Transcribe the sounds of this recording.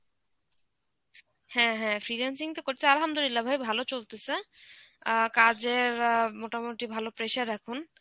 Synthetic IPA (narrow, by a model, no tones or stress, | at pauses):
hɛ̃ɦɛ̃fɾiɾensiŋt̪okoʈ̪ʰealɦamd̪olilːabʱabibʱalot͡ɕolt̪ese | kad͡ʑeɾmoʈamoʈibʱalopɾeʃaɾːɛkʰun